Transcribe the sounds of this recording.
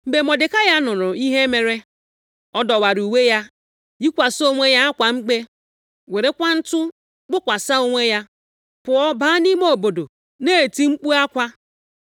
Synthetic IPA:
m̩˨be˨mɔ˨dɪ˨ka˦ja˦nʊ˨ɾʊ˨i˦ɦe˦me˨ɾe˦ | ɔ˦dɔ˨wa˨ɾu˨we˦ja˦ | i˦kʷa˨so˦ŋʷe˦ja˦a˦kʷa˨ŋ͡m̩˦ɡ͡be˦ | we˨ɾe˦kʷa˦n̩˦tʊ˦ | ɡ͡bʊ˦kʷa˨sa˦o˦ŋʷe˦ja˦ | pʊ˨ɔ˦baː˦ni˦mo˦˨o˨bo˨do˨ | ne˦˨ti˦ŋ͡m̩˦k͡pu˦a˦kʷa˦

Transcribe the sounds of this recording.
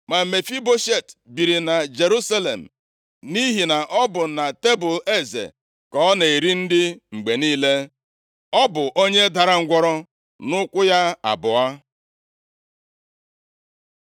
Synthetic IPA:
ma˨me˨fi˦bo˦ʃe˦˨tbi˨ɾi˨na˨d͡ʒe˨ɾu˦sa˦le˨m̩˨ | ni˦ɦi˨na˨ʔɔ˦bʊ˨na˨te˦bʊ˨le˦zḛ˨ | kɔ˦ne˨i˨ɾi˦n̩˦dɪ˦ŋ͡m̩˨ɡ͡be˨niː˦le˦ | ɔ˦bʊ˨ʔo˦ɲe˦da˨ɾa˦ŋ̩˦ɡʷɔ˦ɾɔ˦ | nʊ˦kʷʊ˦ja˦a̰˨bʊ˨a˦

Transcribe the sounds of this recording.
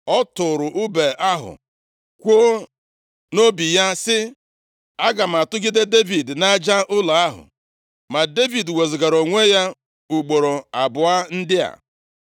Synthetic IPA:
ɔ˦tʊ˨ɾʊ˨ʔʊ˦be˨ʔa˦ɦʊ̰˨ | kʷo˦ | no˦bi˨ja˦sɪ˦ | a˦ɡa˨m̩˨a˨tʊ˦ɡi˦de˦de˦vi˨dna˦d͡ʒa˦ʔʊ˦la˨a˦ɦʊ̰˨ | ma˨de˦vi˨dwe˨zɪ˨ɡa˨ɾo˨ŋʷe˦ja˦ | u˨ɡ͡bo˨ɾo˨a˨bʊ˨a˦n̩˦dɪ˦a̰˨

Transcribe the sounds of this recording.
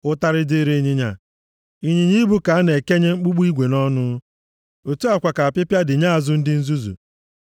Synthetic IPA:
ʊ˦ta˦ɾɪ˦di˦ɾi˦ɲi˦ɲa˨ | i˦ɲi˨ɲi˦bu˦ka˨a˦ne˨ke˦ɲe˦ŋ͡m̩˦k͡pu˦ɡ͡bi˦ɡʷe˨nɔ˦nʊ˦ | o˨tu˦a˨kʷa˨ka˨a˨pɪ˦pja˦dɪ˨ɲa˦a˨zʊ˦n̩˦dɪ˦n̩˦zu˦zṵ˨

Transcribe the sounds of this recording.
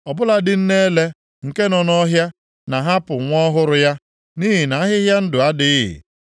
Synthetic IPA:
ɔ˨bʊ˦la˦dɪ˦n̩˦ne˦le˦ | ŋ̩˨ke˦nɔ˨nɔ˦ɦja˦ | na˨ɦa˦pʊ˨ŋʷɔ˦ɦʊ˦ɾʊ˦ja˦ | niː˦ɦɪ˨na˨a˦ɦɪ˦ɦja˦n̩˦dʊ˨a˦dɪ˨˦ɪ̰˨

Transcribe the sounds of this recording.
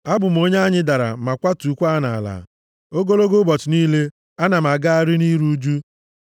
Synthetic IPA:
a˦bʊ˨m̩˨o˦ɲe˦a˦ɲɪ˦da˨ɾa̰˨ma˨kʷa˦tu˨kʷa˦na˨la̰˨ | o˦ɡo˦lo˦ɡo˦bɔ˨tɪ˨niː˦le˦ | a˦na˨m˨a˨ɡa˦a˦ɾɪ˦ni˦ɾu˦d͡ʒu˦

